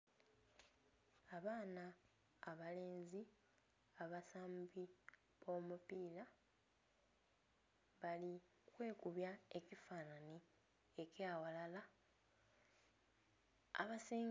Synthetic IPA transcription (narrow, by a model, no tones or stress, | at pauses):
aβaːnaː | βale̞ːnzi | aβasaːmbi | βo̞mupiːla | βali | kwe̞ːkuβjae̞cifaːnani | ecjaːwalala | a̰βasiːŋ